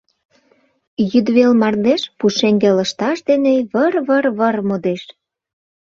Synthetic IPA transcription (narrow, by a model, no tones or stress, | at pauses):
jyd̪βelmɑrd̪eʃpuʃeŋɡelə̆ʃt̪ɑʃd̪eneβərβərβərmod̪eʃ